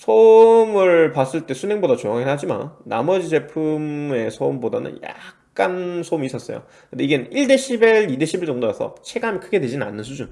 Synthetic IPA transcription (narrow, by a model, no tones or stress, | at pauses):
sʰomɯɭpas͈ɯɭt͈e̞sʰune̞ŋbodat͡ɕoŋaŋehad͡ʑima̰nːa̰mʌd͡ʑid͡ʑe̞pʰume̞sʰoumboda̰nɯ̰nja̰k̚k͈ansʰoumis͈ʌs͈ʌ̰jo̰ | kɯndeiɡe̞nɯnʔiɭde̞ɕʰibiɭideɕʰibiɭt͡ɕoŋdojasʰʌ̰t͡ɕʰeɡamjnkʰɯɡe̞dwe̞d͡ʑinna̰nːɯnsʰud͡ʑun